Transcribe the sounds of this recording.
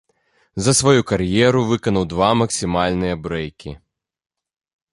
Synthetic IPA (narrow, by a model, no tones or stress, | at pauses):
zɐsvajukarjɛɾuvɨkɐnɐwd̪vamɐksʲimalʲnɨjɐbɾɛjkʲḭ